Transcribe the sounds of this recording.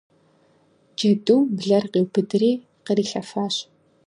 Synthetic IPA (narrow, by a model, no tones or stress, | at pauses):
d͡ʒɐduwbɮɐrqiwbʰɨdɨriː | qəɾiːɬɐfaːɕ